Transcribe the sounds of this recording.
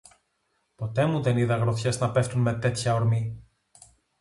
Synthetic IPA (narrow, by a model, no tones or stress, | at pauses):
po̞t̪e̞muðe̞niðɐɣɾo̞θçe̞znɐpe̞ft̪unme̞t̪e̞t̪çɐoɾmi